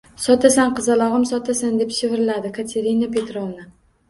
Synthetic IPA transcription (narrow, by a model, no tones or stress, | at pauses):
sɒt̪ʰasanqɨzalˠɒʁɨmsɒt̪asand̪e̞pʃɪvɪɾɪlad̪ɪkʰat̪ʰe̞ɾinape̞t̪ɾɒlˠnɪ